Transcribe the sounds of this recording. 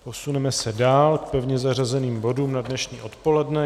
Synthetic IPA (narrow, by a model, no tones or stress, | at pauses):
po̞sunɛmɛsɛdaːlk̚pɛvɲɛzar̝azɛniːmbo̞duːmnadnɛʃɲḭːʔo̞t̪po̞lɛdnɛ